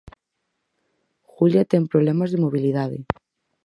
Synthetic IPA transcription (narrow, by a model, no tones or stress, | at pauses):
xuljat̪eŋpɾoβlemazðemoβ̞iliðaðɪ̰